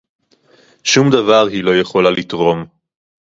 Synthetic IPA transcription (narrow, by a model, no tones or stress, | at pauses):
ʃumd̪avaʁɦilo̞je̞χo̞lalit̪ʁo̞m